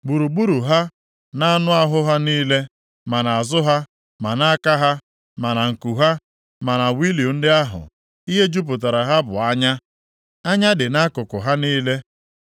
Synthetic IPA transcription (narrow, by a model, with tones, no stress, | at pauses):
ɡ͡bu˨ɾu˨ɡ͡bu˦ɾu˨ɦa˦ | na˦a˦nʊ˦a˦ɦʊ˦ɦa˦niː˦le˦ | ma˨na˨a˨zʊ˦ɦa˦ | ma˨na˦a˦ka˦ɦa˦ | ma˨na˨ŋ̩˨ku˨ɦa˦ | ma˨na˨wi˦li˨o˨n̩˦dɪ˦a˦ɦʊ̰˨ | i˦ɦe˦d͡ʒu˦p̬ʊ˨t̬a˨ɾa˨ɦa˦bʊ̰˨a˦ɲa˦ | a˦ɲa˦dɪ˨na˦kʊ˨kʊ˨ɦa˦niː˦le˦